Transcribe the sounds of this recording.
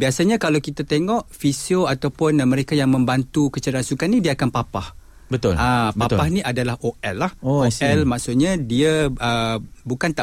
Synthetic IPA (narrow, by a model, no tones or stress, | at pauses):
biasaɲãkalawkit̪at̪eŋɔʔfisioat̪awpʊnmə̃ɾekajaŋmə̃mbant̪ukət͡ʃəɾasukanːĩdiaakanpapah | bət̪ʊ̰labpəapahnĩʔadalahʔoʔɛlːahoosɛlmaʔsʊʔɲadiaəbukant̪a